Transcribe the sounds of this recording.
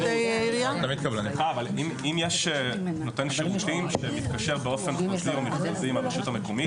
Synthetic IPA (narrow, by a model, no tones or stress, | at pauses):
d̥ejiʁjat̪amid̪kablaniaːvalimimjeʃeno̞t̪e̞nʃiʁut̪imʃemit̪kaʃe̞ʁbeo̞fe̞nχaziomiχlaziimapaʃutameko̞mit